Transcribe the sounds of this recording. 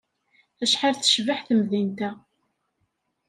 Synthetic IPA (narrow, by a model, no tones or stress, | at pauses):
æʃħaɾθə̥ʃvaħθəmðint̪æ